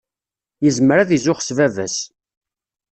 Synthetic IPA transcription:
jəzməɾæðizʊχə̥svævæs

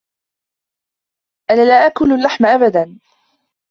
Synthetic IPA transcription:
ʔanaːlaːʔakʊlalːaħmʔabad̪an

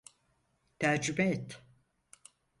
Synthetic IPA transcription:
t̪ʰæɾd͡ʒymɛet̪

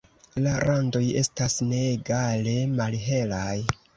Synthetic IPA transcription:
laɾando̞je̞stasne̞ːɡale̞malɦe̞laj

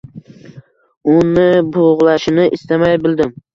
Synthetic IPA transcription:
ʊnɪboʁlˠaʃɪnɪʔɪst̪amajbɪld̪ɪm

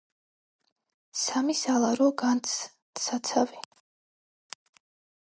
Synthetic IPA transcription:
samisalˠaɾɔɡant̪s | sat̪sʰavɛ

